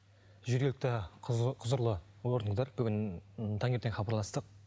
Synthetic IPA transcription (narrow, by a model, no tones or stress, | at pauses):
ʒʏɾɡʲe̞lʲɪk̚ʲt̪ɪqʰʊzəɾlˠə | wo̞ɾənəzd̪ɑɾbʏɡʲɪnt̪ʰɑŋe̞ɾt̪enχɑbɑɾlˠɑst̪əq̚